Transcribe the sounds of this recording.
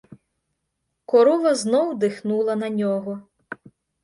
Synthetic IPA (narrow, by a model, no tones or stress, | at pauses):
kɔɾuʋɐznɔwd̪ɪxnulˠɐnɐnʲɔɦɔ